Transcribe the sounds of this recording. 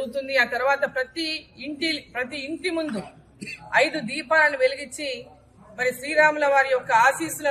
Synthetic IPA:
ɡut̪und̪iaːt̪ɐɾuʋaːt̪ɐpɾɐt̪iːɳʈilpɾɐt̪̬iːɳʈimund̪u | ɐjd̪ud̪iːpaːlɐniʋe̞liɡit͡ʃːi | mɐɾisɾiːɾaːmulɐʋaːɾiɔkɐaːsiːsulɐ

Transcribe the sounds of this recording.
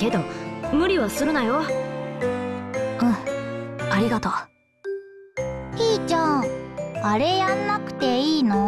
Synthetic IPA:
ke̞d̪o̞mɯ̟ɾʲiβasɨɾɯnajo | ɯ̟̃ | aɾʲiɡat̪oː | iːt͡ɕã | aɾe̞jãnːakɯ̟̥t̪e̞iːno

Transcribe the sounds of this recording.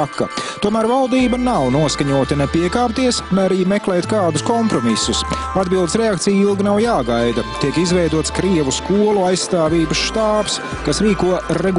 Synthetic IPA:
kːɐ̰t̪uɔmæːɾvalˠd̪iːbɐnawnuɔskaɲuɔt̪ɐnɛpiɛkaːp̚t̪iɛsmɛaɾiːmɛklɛːt̪kaːd̪ʊskɔmpɾɔmisːus | ad̪̚bilˠd̪ɪsɾɛak̚t̪sijilˠɡinawjaːɡajd̪ɐt̪iɛkizvɛjd̪uɔt̪skɾiɛvuskuɔlˠuajssːt̪aːviːbɐsʃt̪aːps | kasɾiːkuɔɾɛɡ

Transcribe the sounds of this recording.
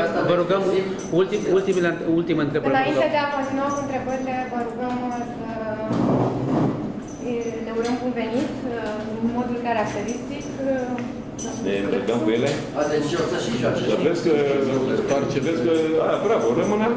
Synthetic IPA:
vəɾuɡəm | ult̪imult̪imeleɨult̪iməɨnt̪ɾe̞bɨəɾnaaint̪ed̪eakont̪inoakuɨnt̪ɾe̞bəɾilevəɾuɡəmsə | ne̞uɾəmbunve̞nit̪ | nmo̞d̪ulkaɾak̚t̪e̞ɾist̪ik̪ | aneɨnɾeɡ̪əmkujele̞ | at̪eʃiosəʃiat͡ʃsəveskəpart͡ʃeveskəabɾabəɾəmɨna

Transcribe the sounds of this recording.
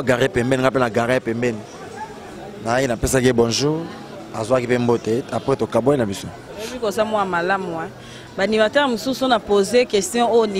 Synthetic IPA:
ɡaʁepɛmbɛniŋɡap̬enaɡaʁepɛmbɛni | naainapesakibɔnzo | azwakipemboteapʁetokaboenabisoebikozamɔamalama | banimatɛʁmosusonapozekɛstjɔ̃ojol

